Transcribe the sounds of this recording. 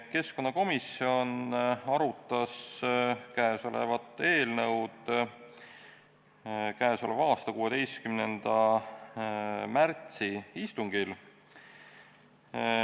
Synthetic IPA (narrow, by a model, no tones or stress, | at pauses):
ke̞sko̞nːɑko̞misio̞nɑɾut̪ːˑɑs | kæeso̞lḛvɑt̪ːˑeːlnɤwd̪̥ | kæːso̞levɑːst̪ɑkuːe̞d̪e̞js̚kymnend̪̥ɑ | mæɾt̪siist̪uŋɡ̥il